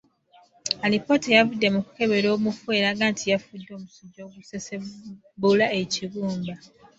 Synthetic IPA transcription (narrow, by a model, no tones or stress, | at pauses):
alipo̞ːtejavudːe̞muku̥ke̞βe̞ɾo̞ːmufe̞ɾaːɡaːntʰijafudːo̞ːmusuɟːo̞ːɡusese | bulae̞ciβuːmba